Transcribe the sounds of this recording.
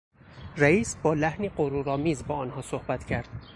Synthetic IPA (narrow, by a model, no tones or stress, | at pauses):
ɾæiːsbɒːlæhniɢoɾuɾɒːmiːzbɒːɒːnhɒːsohbæt̪ʰcʰæɾd̪̥